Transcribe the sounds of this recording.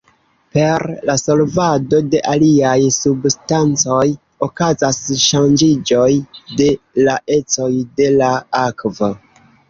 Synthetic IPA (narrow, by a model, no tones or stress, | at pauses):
pe̞ɾlaso̞lvado̞de̞ʔaliajsubstant͡so̞j | okazasʃand͡ʒid͡ʒo̞jde̞laʔe̞t͡so̞jde̞laakvo